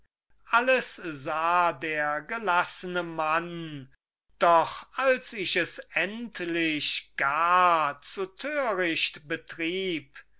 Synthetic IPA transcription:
ʔaləszaːdeːɐɡəlasənəman | d̥ɔχalsɪʃɛsʔɛntlɪʃɡ̥aːɐt͡sutʰøːʁɪʃtbətʁiːp

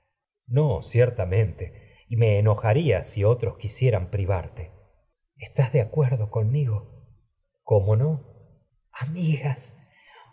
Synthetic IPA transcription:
no̞sjeɾt̪amẽ̞nt̪e̞ | ime̞ːno̞xaɾiasio̞t̪ɾo̞skisje̞ɾampɾiβ̞aɾt̪e̞ | est̪azðeakweɾðo̞ko̞nmiɣo̞ | ko̞mo̞no̞ | amiɣas

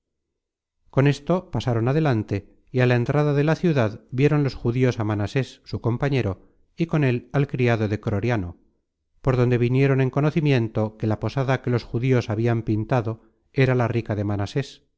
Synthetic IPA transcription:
ko̞ne̞st̪o̞pasaɾo̞naðe̞lant̪e̞ | ialaent̪ɾaðaðe̞laθjuðaðbje̞ɾo̞nlo̞sxuðio̞samanase̞sːuko̞mpaɲe̞ɾo̞ | iko̞ne̞lalkɾiaðo̞ðe̞kɾo̞ɾjano̞ | po̞ɾðond̪e̞βinje̞ɾo̞ne̞ŋko̞noθimje̞nt̪o̞ke̞lapo̞saðake̞lo̞sxuðio̞saβiampint̪aðo̞ | e̞ɾalarikaðe̞manase̞s

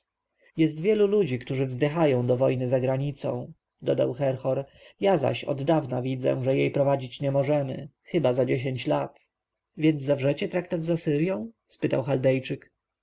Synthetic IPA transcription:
jɛs̬t̪vʲjɛlulud͡ʑikt̪uʐɘvzd̪ɘxajɔ̃w̃d̪ɔvɔjnɘzaɡɾaɲit̪sɔ̰̃w̃ | d̪ɔd̪a̰wxɛɾxɔɾ | jaza̰ɕɔ̰d̪ːavnavʲid̪zɛ̰ʐɛjejpɾɔvad͡ʑit͡ɕɲɛmɔʐɛmɘ̰xɘbazad͡ʑeɕ̬eɲt͡ɕlat̪ | vʲjɛnd̪zzavʐɛt͡ɕɛt̪ɾakt̪ad̪zasɘɾjɔ̃w̃ | spɘt̪awxald̪ɛjt͡ʂɘk

